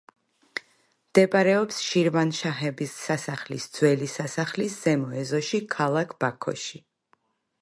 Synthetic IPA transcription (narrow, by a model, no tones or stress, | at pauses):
md̪̥ɛpʼaɾɛɔpsʃiɾvanʃaɦɛbisːasaχlisd̪z̥wɛlisasaχlisz̥ɛmɔɛzɔʃikʰalˠakʰb̥akʰɔ̰ʃi